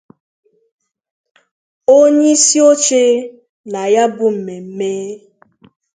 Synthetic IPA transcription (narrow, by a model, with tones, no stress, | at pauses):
o˦ɲe˦si˦o˦t͡ʃe˦ | na˨ja˦bʊ˦m̩˨me˨m̩˦meː˦